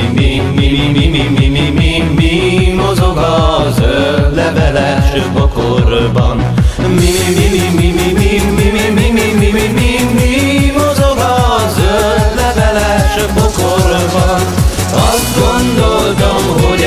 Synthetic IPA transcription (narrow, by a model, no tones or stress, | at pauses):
mi | mii | mimimi | mi | mozoɡɒ | zø | lːɛvɛlɛʃøbokoɾbɒn | mi | mimimi | miimmmmimi | mozoɡɒzønːɛvɛlɛʃøbokoɾ | vɒn | ɒzd̪ɡond̪olt̪omɦo